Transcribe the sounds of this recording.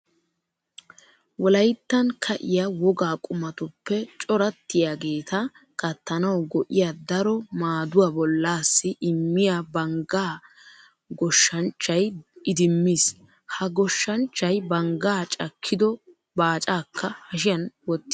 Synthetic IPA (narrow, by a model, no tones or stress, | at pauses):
wɔlɐjt̪ːɐnkʰɐʔɪjawɔɡaːkʼʊmɐt̪ʊpːɛt͡ʃʼɔɾɐt̪ːɪjaɡe̞ːt̪ɐ | kɐt̪ːɐnɐwɡɔʔɪjaːd̪ɐɾɔmaːd̪ʊwabɔlːaːsːɪʔɪmːɪjabɐŋɡaː | ɡɔʃːɐnt͡ʃːɐjɪd̪ɪmːiːs | hɐɡɔʃːɐnt͡ʃːɐjbɐŋɡaːt͡ʃʼɐkʰːɪd̪ɔ | baːt͡ʃʼaːkʰːɐhɐʃɪjɐnwɔt̪ːɪ